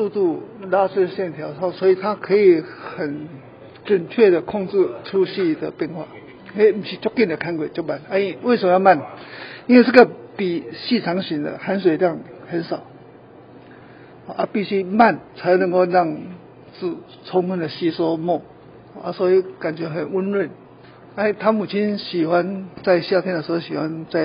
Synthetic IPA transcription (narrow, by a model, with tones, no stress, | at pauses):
su˥˧t̪u˥˧la˥t͡sʰe˥˧ɕjɛ˥˩nt̪ʰjɑ˨˥ʊa˥˩swɔ˧˥i˨t̪ʰa˦˥kʰə˧˥i˨˩xə˨˩n | ʈ͡ʂə˨˩nt͡ɕʰɥɛ˥˩d̪ə˩kʰɔ˥˧ŋt͡sɻ̩˥˧ʈ͡ʂʰu˥ɕi˥˧d̪ə˨˩pjɛ˥˧nxwa̰˥˩˨ | i˦nwe˥˧˩m̩˨˩ɕʰi˧˥˩t͡ɕɔ˥kːi˥˩nd̪ə˨kʰa˥nkwe˨˩t͡ɕjo˥˩ʊpa˨˩na˧˦i˨˩we˥˩ɪsə˨˩mə˧ja˥˧˦ma˥˨ni˥nwe˥˧t͡sə˥˩ɡə˨pi˨˩ɕi˥˧t͡sʰɑ˧˥ŋɕi˨˦nd̪ə̰˧ha˧˥nswe˨˩ɪljɑ˥˩ŋhə˨˦nsɑ˨˩˦ʊ | hɔ˨ʔa˦pi˥˧˩ɕi˦ma˥˨nt͡sʰa˨˧˦ɪnə̃˧˦ŋko˥˧ʊla˥˧ŋ | t͡sɹ̩˥˩ | t͡sʰɔ˧˥ŋmə˥nd̪ə˨ɕi˦sɔ˦mwɔ˥˧˨ | hʔa˧˩swɔ˧˦i˧˦ka˨˩nt͡ɕɥɛ˧ɦə˨˩nu˦nɻwə˥˨n | a˧˦i˨˩t̪ʰa˦mu˨˩t͡ɕʰi˦nɕi˨˩xwa˦nt͡sa˥˧ɪɕja˥˧t̪jɛ˥ndə˨ʂɻ̩˧ho˥˧˩ɕi˨˩wa˧˦nt͡sa˥˩ɪ